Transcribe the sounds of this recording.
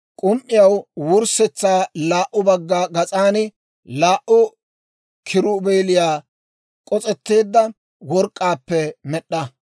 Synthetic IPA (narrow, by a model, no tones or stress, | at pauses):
kʼʊmʔːɪjɐwwʊɾsɛt͡sːaːlaːʔːʊbɐɡːaːɡɐt͡sʼaːnɪ | laːʔʊ | kʰɪɾʊbeːlɪjaː | kʼɔt͡sʼɛt̪ːe̞ːd̪ːɐ | wɔɾkʼːaːpːɛmɛɗːɐ